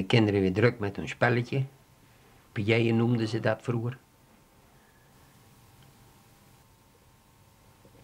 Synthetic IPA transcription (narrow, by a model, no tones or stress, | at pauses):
əkɪndəɾəʋɪːdrøkmɛthønspɛləə | pəjejənumdəzədɑtfruər